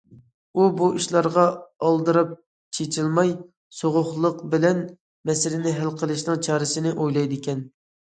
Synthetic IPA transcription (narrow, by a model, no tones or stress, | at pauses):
ubuʔiʃlˠɑɾʁɑɑlˠd̪ɨɾɑp̚ | t͡ʃʰet͡ʃʰilˠmɑj | soʁʊχlˠəqbɪlɛn | mɛsɪɾɪnɪɦælqʰəlˠɨʃnɨŋt͡ʃʰɑːɾɨsɪnɪʔojlˠɑjd̪ɪkʲɛn